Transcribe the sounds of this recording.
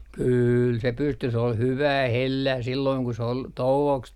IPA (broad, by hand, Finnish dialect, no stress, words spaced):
kyːl se pysty se ol hyʋæː helːæː silːoiŋ ku s ol touoks